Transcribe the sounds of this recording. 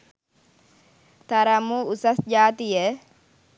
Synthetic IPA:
t̪ɐɾɐmuʊsɐsd͡ʒaːt̪ɪjɛ

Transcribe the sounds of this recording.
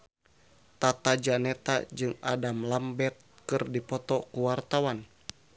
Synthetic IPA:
t̪at̪ad͡ʒanɛt̪a̰d͡ʒɨŋadamlambɛt̪̚kɨrdipɔt̪ɔkuwart̪awan

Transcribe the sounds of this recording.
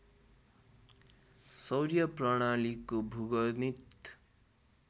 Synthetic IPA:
sʌwɾjʌprʌɽ̃alikobʱuɡʌnit̪

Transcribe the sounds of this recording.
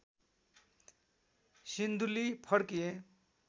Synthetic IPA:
sind̪ulipʰʌɽkije

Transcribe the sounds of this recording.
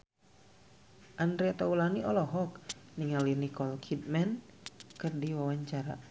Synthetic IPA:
ʔandɾɛt̪aulaniɔlɔɦɔk̚niŋalinikɔlkʰit̪̚mɛnkɨrdiwawaɲt͡ʃaɾa̰

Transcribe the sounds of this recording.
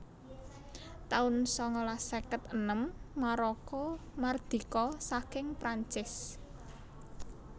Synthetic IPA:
t̪aʊnsɔŋɔlasekət̪ənəmːaɾɔkɔmard̪̥i̤kɔsakɪŋpɾaɲt͡ʃɪs

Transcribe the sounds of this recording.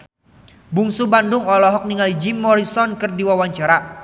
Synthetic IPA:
buŋsubandʊŋɔlɔɦɔk̚niŋalid͡ʒimɔɾisɔnkɨrdiwawaɲt͡ʃaɾa

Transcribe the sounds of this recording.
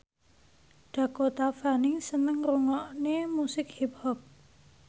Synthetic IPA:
ɖ̥a̤kot̪afanɪŋsənəŋɾuŋɔʔnemusɪkhiphɔp̚

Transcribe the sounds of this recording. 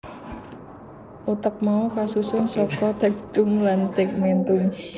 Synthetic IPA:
ʔut̪əp̚maukasusʊŋsɔkɔd̪̥ä̤ɡd̪̥ʊŋlant̪ɪk̚mɛnt̪ʊŋ

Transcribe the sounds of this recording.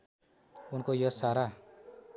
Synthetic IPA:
unkojʌsaɾa

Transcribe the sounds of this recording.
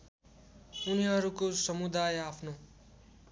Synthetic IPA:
uniɦʌɾukosʌmud̪ajapʰno

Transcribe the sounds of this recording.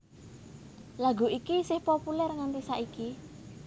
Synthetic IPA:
laɡṳʔikisɪhpopulɛrŋant̪isaʔiki

